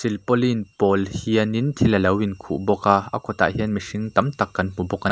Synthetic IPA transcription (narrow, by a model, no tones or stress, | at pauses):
silpɔlinpɔlhiənint̪ʰiləlɐwinkʰṵʔbɔkaːʔɐ̰kʰɔt̪a̰ːʔhiənmiʂiŋt̪ɐmt̪ɐkːɐnm̥ubɔka